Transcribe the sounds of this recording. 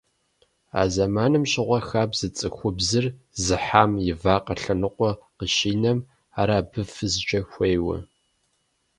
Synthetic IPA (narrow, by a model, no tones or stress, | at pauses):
a̰ːzɐmaːnɨmɕʼɪʁʷɐxaːbz̥ɨt͡sʼɨxʷʊbzɨr | zɨħaːmjɪvaːqɐɬɐnɨqʷʼɔqəʃiːnɐm | aːɾaːbɨfɨzɨt͡ʃʼɐxʷejwɐ̰